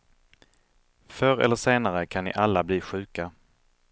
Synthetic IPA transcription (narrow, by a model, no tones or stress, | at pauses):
fœɾɛ̰lːəʂeːnaɾəkʰanːɪ̰ʔalːabliːɧʉ̟ːka